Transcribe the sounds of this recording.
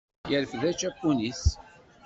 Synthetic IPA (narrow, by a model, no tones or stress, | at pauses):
jəɾfðæt͡ʃːæpːunis